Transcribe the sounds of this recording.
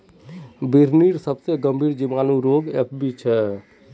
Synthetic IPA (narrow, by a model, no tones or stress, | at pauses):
biɾniɾsəbseɡəmbʱiːɾd͡ʒimaːnuɾoɡep̚ʰbit͡ʃʰɛ